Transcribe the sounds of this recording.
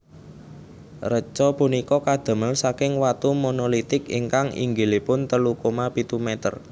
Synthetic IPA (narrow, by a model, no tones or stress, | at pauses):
rət͡ʃɔpunikɔkad̪̥ə̤məlsakɪŋwat̪umonolit̪ɪkḭŋkaŋḭŋɡelepʊnt̪əlukomapit̪umɛt̪ə̰r